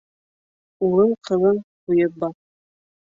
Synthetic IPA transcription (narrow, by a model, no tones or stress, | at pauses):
uɾɤɴqʰɤ̆ðˠɤɴqujɤp̚bɑθ